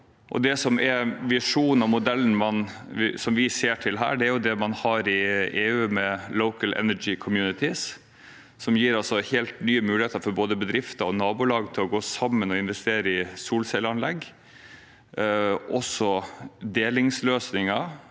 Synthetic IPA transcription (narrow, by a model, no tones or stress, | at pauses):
ʔɔ̰d̪ɛsɔmʔɛʋɪʂuːnɑʋmʊd̪ɛln̩mɑn | ʋɪsɔmʋɪseːʈʰɪlɦæ̰ːɖɛæɾjʊd̪ɛmɑnhɑːɾɪeːʉːmɛloʊkəlʔɛ̰nəd͡ʒɪkʰɔmjʉːnɪt̪ɪs | sɔmjiːɾɑlsɔheːlt̪nyːəmʉːlɪheːt̪əɾfɔɾboːd̪əbəd̪ɾɪft̪ɑɔnɑːbʊlɑːɡt̪ʰɪlɔɡoːsɑmːənɔɪnʋɛst̪eːɾəɪsuːlsɛləɑnlɛɡː | ʔɔsɔd̪eːlɪŋsløːsnɪŋɑ